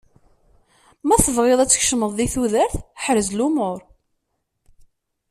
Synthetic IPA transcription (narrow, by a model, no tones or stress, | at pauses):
mæθəvʁeðˤæt͡sːə̥çʃəməðˤðiθuðəɾθħɾəzlumoɾˤ